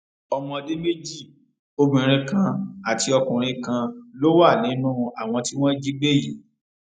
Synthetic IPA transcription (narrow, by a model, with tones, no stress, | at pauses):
ɔ˧mɔ̃˧de˦me˦d͡ʒi˦˨ | o˧mĩ˨ɾ̃ĩ˧kã˧a˨ti˧ɔ˧kũ˨ɾ̃ĩ˧kã˧lo˦wa˦˨nĩ˨˦nũ˦a˨w̃ɔ̃˧ti˦w̃ɔ̃˦d͡ʒi˦ɡ͡be˦ji˨